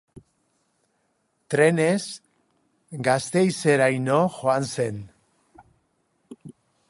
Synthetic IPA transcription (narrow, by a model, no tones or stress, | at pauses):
t̪ɾe̞nez | ɡast̪e̞jse̞ɾajnoxoanse̞n